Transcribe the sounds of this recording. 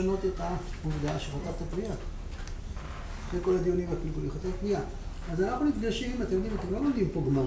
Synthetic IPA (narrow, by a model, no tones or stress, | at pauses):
ano̞t̪et̪amuvd̪aaʃeχot̪avt̪apnia | zeko̞lad̪ijonimapnikuliχat̪eapnia | azanaχnunit̪ɡaʃimat̪emjod̪imat̪emlo̞momd̪impo̞ɡma